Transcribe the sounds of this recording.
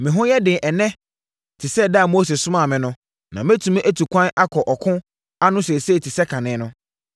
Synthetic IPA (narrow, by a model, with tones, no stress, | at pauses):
mɪ̃˨ɦʊ̃˦jɛ˦dɪ̃˨ʔɛ˨nɛ̃˦ | tʰɪ˨sɛ˦da˦˨mo˦se˨sʊ˦mã˦˨mɪ̃˦nʊ̃˦ | nã˨mẽ˦tʰũ˨m̃˦ʔæ˦tʰu˨kʰʷã˦na˦kʰɔ˨ʔɔ˨kʰʊ̃˦ | a˦nʊ̃˦sɛ˨sɛ˦˨tʰi˨sɛ˦kʰã˨nɪ̃˨˦nʊ̃˦